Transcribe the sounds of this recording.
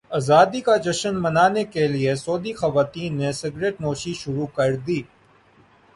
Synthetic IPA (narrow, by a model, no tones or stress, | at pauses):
aːzaːd̪ikad͡ʒɐʃənmɐnaːnekeliesoːd̪ixɐʋaːt̪iːnːesɪɡɾeːʈnoːʃiʃʊɾukɐɾd̪iː